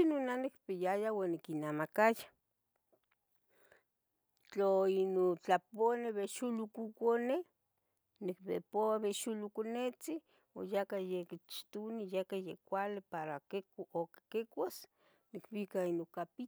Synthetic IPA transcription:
inonanikpijajawanikinamakaja | t͡ɬoinot͡ɬaponeβeʃulukukone | nik̚pḛpoaβeʃulukonet͡si | ojakajekit͡ʃt̪unijakajekʷalepaɾakekoke̥kekʷas | nikβikainokapi

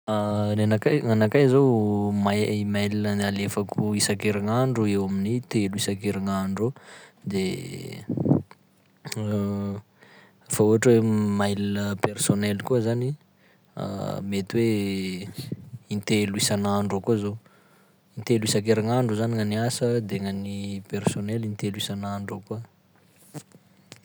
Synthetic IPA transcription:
ananakajŋanakajzomaimajlinənalefakuisakeɾaŋaɳɖ͡ʐuewaminit̪eluisakeɾaŋaɳɖ͡ʐod̪e | fauɦaʈ͡ʂwemajlinəpersonɛlkuəzani | a̰met̪we | int̪eluisanaɳɖ͡ʐakuzo | int̪eluisak̬eɾaŋaɳɖ͡ʐuzaniŋaniasəd̪eŋanipersonɛlint̪elwisanaɳɖ͡ʐoku

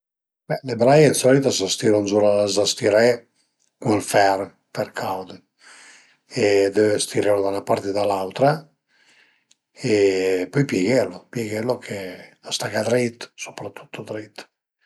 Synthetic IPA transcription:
bɛlebɾajɛnsɔlit̪asast̪iɾunzulazast̪iɾɛ | kunlfɛr | pɛɾkʰawd̪ | ed̪øst̪iɾɛlod̪anapaɾt̪ed̪alawt̪ɾa | epɔjpjɛɡɛlːopjɛɡɛlːokʰeast̪akad̪ɾit̪so̥pɾat̪ʰːu̥t̪ːod̪ɾit̪

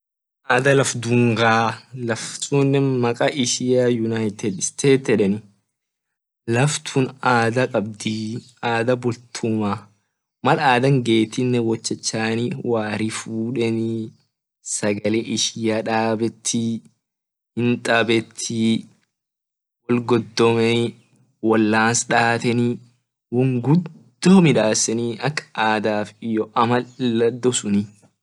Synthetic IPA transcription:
ʔaːd̪ɐlɐfd̪ʊŋɡaːlɐft̪unːɛmɐkʼaːʔɪʃɪjajʊnaːɪt̪ɛd̪st̪ʰeːt̪ɛᶑɛnɪ | lɐft̪ʰʊnaːd̪ɐkʼɐbd̪iː | aːd̪ɐbʊlt̪ʰʊma | mɐlaːd̪ɐŋɡe̞ːt̪ɪnːɛwɔt͡ʃːɛt͡ʃːaːnɪwaːɾɪfuːᶑɛni | sɐɡɐleːʔɪʃɪjaᶑaːbɛt̪ʰːɪ | hɪnt̪ʼɐbɛt̪ʰːɪ | wɔlɡɔd̪ːɔmɛ | wɐlːaːnsᶑaːt̪ɛni | wʊŋɡʊd̪ː | oːmɪᶑaːsːɛniɐkːʔaːd̪aːfɪjɔʔɐmɐɐd̪ːɔsʊnɪ

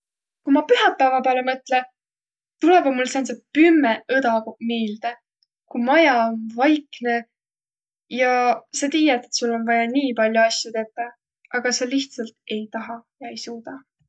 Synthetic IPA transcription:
kumɑpyɦɑpːæevɑpelemɤt̪le | t̪ulebɑmːulːsensepymːeʔɤd̪̥ɑɡomiːld̪̥e | kumɑjɑonvɑjkne̞ | jɑset̪iːjɑt̪et̪sulːo̞nvɑjɑniːpɑlʲjuɑsʲjut̪e̞t̪ˑːɑ | ʔɑɡ̥ɑseliht̪sɑlt̪e̞jt̪ɑɦɑjɑe̞jsuːd̪̥ɑ

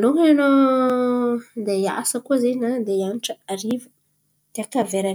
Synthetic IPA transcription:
luŋeno | d̪eja̰səkuzeɲnad̪eianiʈ͡ʂəaɾivu | d̪̥eakaveɾan

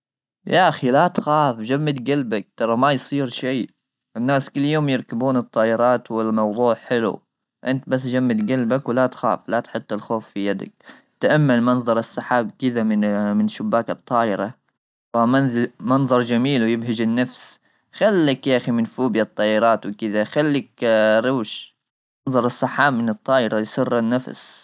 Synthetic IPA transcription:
jaʔaxilat̪xaːfd͡ʒamːɪd̪ɡalbak̚t̪ɑɾˤɑmajsˤiːɾʃiː | ʔɪnːaːskɪlːjoːmjɪɾkabuːnɨt̪ˤːɑːʔɪɾˤɑːt̪wɪlmɑwðˤuːʕħɪlṵ | ʔɪnt̪bas̬ːd͡ʒamːɪd̪ɡalbakwɪlat̪xa̰ːflat̪ħɪt̪ˤːɪlxoːfːijad̪a̰k̚ | t̪aʔamːalmɑnðˤɑɾˤɪsːaħaːb̚kɪðamɪmɪnʃʊbːaːkɨt̪ˤːɑːʔɪɾɑ | fammɑnðˤɑɾˤd͡ʒamiːlwɪjɪbɦɪd͡ʒɪnːafs | xalːɪkjaʔximɪnfuːbjat̪ˤːɑːʔɪɾˤɑːt̪wɪkɪðaxalːɪkɾuːʃ | nðˤɑɾˤɑsːɑħːaːbmɪnɨt̪ˤːɑːʔɪɾajsɨrːɪnːafs

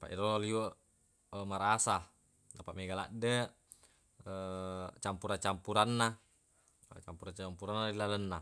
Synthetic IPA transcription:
pa̰ʔiɾololio | əmaɾasa | napaʔmeɡala̰ʔdə | ət͡ʃampuɾat͡ʃampuɾanːa̰ | t͡ʃampuɾat͡ʃampuɾanːadilalənːa

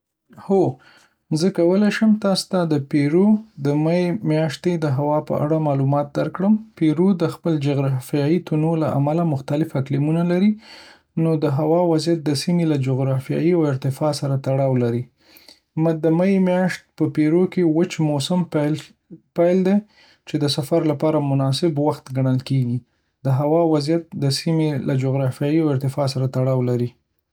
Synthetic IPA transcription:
ho | zəkawəlejʃəmt̪ɑst̪ad̪əpeɾod̪əmajemjɑʃt̪ed̪əɦawɑpə̰ʔa̰ɽamɑlumɑt̪̚d̪aɾkɽəmpeɾod̪əxpəld͡ʒʊɣɾɑfjɑjit̪unolaʔa̰malamʊxt̪alɪfaklimunalaɾi | nod̪əɦawɑwazjat̪̚d̪əsimelad͡ʒʊɣɾɑfjɑ̰jiawɪɾt̪ɪfɑsaɾat̪aɽɑwlaɾi | məd̪əmaimjɑʂt̪̚pəpeɾokewət͡ʃmosamp | pajld̪e | t͡ʃed̪əsafaɾlapɑɾamʊnɑsɪbwaxt̪ɡaɳ̃əlkeɡi | d̪̥əɦawɑwazjat̪̚d̪əsimelad͡ʒoɣɾɑfjɑjiawɪɾt̪ɪfɑsaɾat̪aɽɑwlaɾi

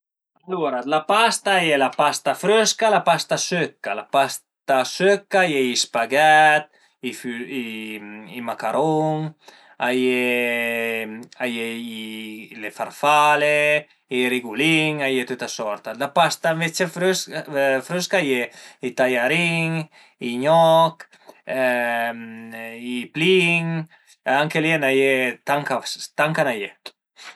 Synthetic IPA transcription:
aloɾalapast̪aːjelapast̪afɾøskalapast̪asøkːalapast̪asøkajeispaɡɛt̪̚ | ifyi | imakaɾoŋ | aje | ajeilefa̰ɾfale | iɾiɡuliŋajet̪ut̪asɔɾt̪alapast̪ãmvet͡ʃefɾsfɾuskajeit̪ajaɾiŋ | iɲɔk | mipliŋ | aŋkelienajet̪aŋkast̪aŋkanaje

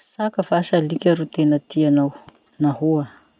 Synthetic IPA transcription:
sakəfaʃalikʲaɾut̪enət̪ianaw | nahua

